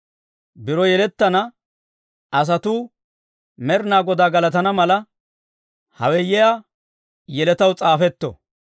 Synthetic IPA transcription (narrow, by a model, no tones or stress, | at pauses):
bɪɾɔjɛlɛt̪ːɐnɐ | ɐs̬ɐt̪uː | mɛɾnaːɡɔd̪aːɡɐlɐt̪ɐnɐmɐlɐ | hɐ̰wɛjɛja | jɛlɛt̪ɐwt͡sʼaːfɛt̪ːɔ̰